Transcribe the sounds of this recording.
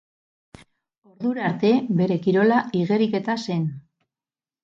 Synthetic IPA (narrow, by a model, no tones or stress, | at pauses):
o̞ɾðuɾaɾt̪e̞be̞ɾe̞kiɾo̞laiɣe̞ɾike̞t̪ase̞n